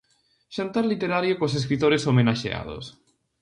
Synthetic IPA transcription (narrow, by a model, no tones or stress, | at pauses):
ʃant̪aɾlit̪eɾaɾjokos̬eskɾit̪oɾesomenaʃḛa̰ðo̰s